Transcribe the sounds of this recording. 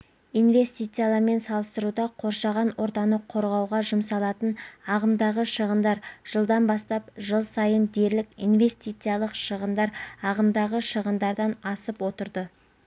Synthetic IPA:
ijnve̞st̪it̪sijalˠɑɾme̞nsɑlˠəst̪əɾud̪ɑqʰo̞ɾʃɑʁɑnwʔo̞ɾt̪ɑnəqʰːo̞ɾʁɑwʁɑʒʊmsɑlˠɑt̪ənɑʁəmd̪ɑʁəʃəʁənd̪ɑɾʒ̥əlˠd̪ɑnbɑst̪ɑp̚ʒəlˠsɑjənd̪e̞ɾlɪkḭnve̞st̪ijt̪sɨjalˠəqʃəʁənd̪ɑɾɑʁəmd̪ɑʁəʃəʁənd̪ɑɾd̪ɑnɑsəpwo̞t̪əɾd̪ə

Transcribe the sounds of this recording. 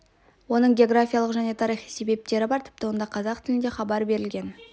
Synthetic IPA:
wo̞nəɴɡʲeo̞ɡɾafʲijalˠəqʒæne̞t̪ʰɑɾijχijse̞be̞p̚t̪e̞ɾɪbɑɾt̪ʰɪ̥p̚t̪ɪwo̞nd̪ɑqʰɑzɑqt̪ʰɪlɪnd̪e̞χɑbɑɾbe̞ɾɪlɡʲe̞n

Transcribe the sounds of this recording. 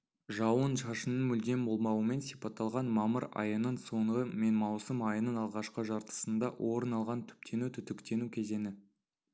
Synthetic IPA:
ʒɑwənʒɑʃənəmʏlɡ̪ʲe̞mbo̞lˠmɑwəme̞nsijpɑt̪ːɑlˠʁɑnmɑməɾɑ̰jənənso̞ɴʁəme̞nmɑwsəmɑjənənɑlˠʁɑʃqəʒɑɾt̪ə̥sənd̪ɑwʔo̞ɾənɑlˠʁɑnt̪ʰʏ̥p̚t̪ʰe̞nut̪ʰʏt̪ɪkt̪e̞nukʲʰe̞ze̞nɪ

